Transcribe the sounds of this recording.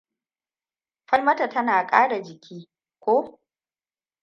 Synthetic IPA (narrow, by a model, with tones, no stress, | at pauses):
ɸɐ˦lmɐ˦tɐ˨tɐ˦naː˨kʼaː˦ɽa˨d͡ʒɪ˨kʲiː˦ | kʷoː˦